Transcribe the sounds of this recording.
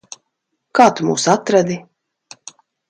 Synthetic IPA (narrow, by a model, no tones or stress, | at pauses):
kaːt̪umṵːsat̪ɾad̪i